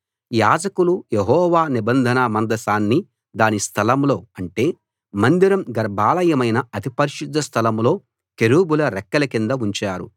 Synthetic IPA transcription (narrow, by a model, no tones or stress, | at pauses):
jaːd͡ʒɐkulujeɦɔːʋaːnibɐnd̪ʱɐnɐmɐnd̪ɐsaːnːi | d̪aːnist̪ʰɐlɐmlo̞ːɐɳʈe̞ː | mɐnd̪iɾɐmɡɐɾbʱaːlɐjɐmɐjnɐɐt̪ipɐɾiʃud̪ʱːɐst̪ʰɐlɐmlo̞ː | keɾuːbulɐɾɛkːɐlɐkind̪ɐuɲt͡ʃaːɾṵ